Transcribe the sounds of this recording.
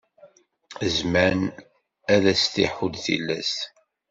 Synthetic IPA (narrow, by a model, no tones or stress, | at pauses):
əzmæn | æðæst̪ḭħud̪θḭlːæs